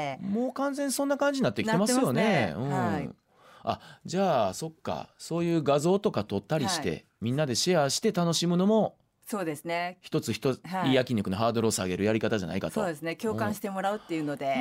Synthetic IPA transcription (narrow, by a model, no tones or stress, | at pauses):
mo̞ːkãnzẽ̞ɲsõ̞nːakãɲ̟d͡ʑiɲinat̪ːekitemasɨjo̞ne̞ɯ̟̃ | a̰d͡ʑaːso̞kːa̰so̞ːjɯ̟ːɡazo̞ːt̪o̞kat̪o̞t̪ːaɾʲiɕi̥t̪e̞̰ | mʲĩnːad̪e̞ɕiaɕi̥t̪e̞t̪ano̞ɕimɯ̟no̞mo̞ | so̞ːd̪e̞sɨneçi̥t̪o̞t͡sɨçi̥t̪o̞iːjakʲĩɲʲːokɯ̟noɦaːd̪o̞ɾo̞ːsaɡe̞ɾɯ̟jaɾʲikat̪aʑana̰ikatt̪oːd̪esɨnekʲo̞ːkãɕi̥t̪e̞mo̞ɾaɯ̟t̪ːe̞jɯ̟no̞d̪e̞